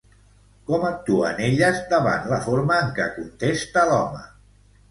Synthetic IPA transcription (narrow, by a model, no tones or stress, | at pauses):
kɔmək̚t̪uə̰neʎəzd̪əβa̰nləfoɾməːŋkə̰kunt̪est̪əlɔmə